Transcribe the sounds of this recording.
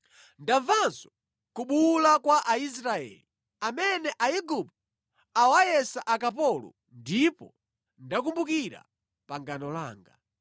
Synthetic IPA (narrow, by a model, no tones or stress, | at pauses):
ndaɱvanzɔ | kuɓulakwaʔais̬ɾaɛ̰ːli | amɛnɛʔaiɡup̚t̚ | awajɛsaʔakapɔlɔ̰ | ndipɔ | ndak̬umbukiɾa̰ | paŋɡanɔla̰ːŋɡa̰